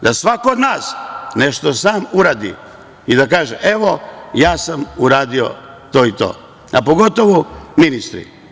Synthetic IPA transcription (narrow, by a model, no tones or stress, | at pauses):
d̪asʋakood̪naːsneʃt̪osaːmuɾaːd̪ḭ | id̪akaːʒḛʔe̞ʋojaːsamuɾaːd̪io̰ | t̪o̞ːit̪o̰ː | apoɡo̞t̪oʋuminist̪ɾḭ